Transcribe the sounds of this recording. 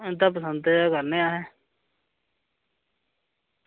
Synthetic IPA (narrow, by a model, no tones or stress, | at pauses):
ɪnd̪aːp̬əsə̃nd̪eakəɾneːaːɦɛː